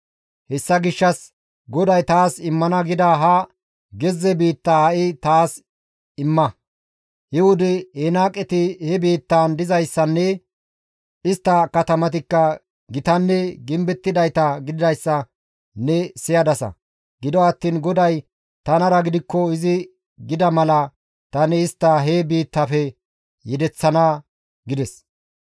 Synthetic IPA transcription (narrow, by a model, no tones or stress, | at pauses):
hɛsːɐɡɪʃːɐs | ɡɔd̪ɐjt̪aːsɪmːɐnɐɡɪd̪ɐɦɐ | ɡɛzːɛbiːt̪ːɐːʔɪt̪aːs | ɪmːɐ | hɪwʊd̪ɛhɛnaːkʼɛt̪ɪhɛbiːt̪ːaːnd̪ɪzɐjsːɐnːɛ | ɪst̪ːɐkɐt̪ɐmɐt̪̬ɪkːɐ | ɡɪt̪ɐnːɛɡɪmbɛt̪ːɪd̪ɐjt̪ɐɡɪd̪ɪd̪ɐjsːɐ | nɛsɪjɐd̪ɐsɐ̰ | ɡɪd̪ɔɐt̪ːiːnɡɔd̪ɐj | t̪ɐnɐɾɐɡɪd̪ɪkːɔɪzɪ | ɡɪd̪ɐmɐlɐ | t̪ɐnɛːst̪ːɐɦebiːt̪ːɐfɛ | jɛd̪ɛt͡sːɐnaː | ɡɪd̪ɛs